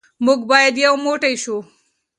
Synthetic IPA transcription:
muɡbɑːjɐd̪jɐwmoːʈejʃu

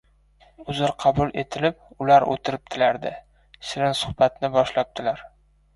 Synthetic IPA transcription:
ʊzɪlqʰɑbʊlˠʔet̪ʰɪlɪp̚ʊlaɾʔo̰t̪ʰɪɾɪp̚t̪ʰɪlaɾd̪ɪ | ʃɪɾɪnsʊ̥hb̥at̪nɪbɒʃlap̚t̪ʰɪlaɾ

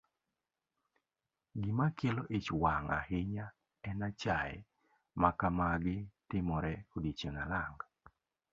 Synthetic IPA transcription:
ɡɪmakɪlɔʔet͡ʃwaŋa̰hɪɲa | ɛnat͡ʃaɛ̰ | makamaɡɪtɪmɔɾɛkodit͡ʃenalaŋɡ

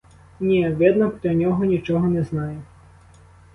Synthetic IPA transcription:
nʲɛʋʲɛd̪nɐpɔdlʲɐnʲɔɦɔnʲit͡ʃɔɦɔnɛznɑjɛ

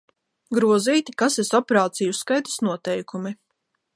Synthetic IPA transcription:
ɡɾuɔziːt̪ikasesɔpeɾaːt̪sijuskajt̪ḁsnuɔt̪ɛjkumi

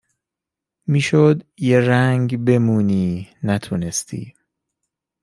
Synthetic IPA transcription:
miːʃod̪jeɾæŋɡbe̞muːniːnæt̪ʰunest̪ʰḭː

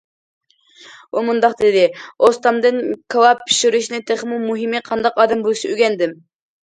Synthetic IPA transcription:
umund̪ɑqd̪ɪd̪ɪost̪ɑmd̪ɨnkʰɑlˠɑpʰːi̥ʃyɾyʃnɪt̪ʰeχmumuɦimɨqʰɑnd̪ɑqɑːd̪ɛmbulˠsiyɡʲɛnd̪ɪm

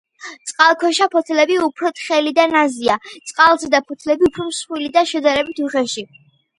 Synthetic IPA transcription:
t̪sʼqʼalˠkʰɔʃapʰɔt̪ʰlɛbiupʰɾɔt̪ʰχɛlid̪anaziat̪sʼqʼalˠzɛd̪apʰɔt̪ʰlɛbiupʰɾɔmsχwilid̪aʃɛd̪aɾɛbit̪ʰuχɛʃi

